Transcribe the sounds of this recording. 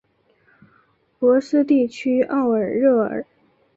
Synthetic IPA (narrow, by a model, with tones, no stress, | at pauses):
pwɔ˧˥sɹ̩˥t̪i˥˩t͡ɕʰy˥ʔɑ˥˩ʊə˞˨˩ɻɤ˥˩ə̰˨˩˦